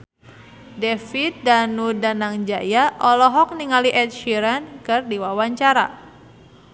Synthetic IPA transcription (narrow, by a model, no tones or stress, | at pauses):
dɛfit̪̚danudanaŋd͡ʒajaʔɔlɔɦɔk̚niŋaliʔɛt̪̚ʃiɾankɨrdiwawaɲt͡ʃaɾa̰